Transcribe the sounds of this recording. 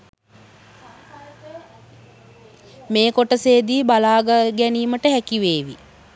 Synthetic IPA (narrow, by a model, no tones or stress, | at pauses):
meːkoʈəseːd̪iːbalaːɡəɡɛniːməʈəɦækiʋeːʋḭ